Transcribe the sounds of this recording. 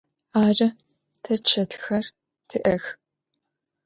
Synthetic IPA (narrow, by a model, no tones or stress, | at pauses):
aːrɐ | tʰɐt͡ʃʰɐtxɐr | tʰɨʔɐx